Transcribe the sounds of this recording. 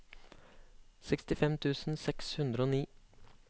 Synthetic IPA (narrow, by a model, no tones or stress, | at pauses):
sɛkst̪ɪfɛmt̪ʰʉːsn̩sɛkshʉnd̪ɾəoːniː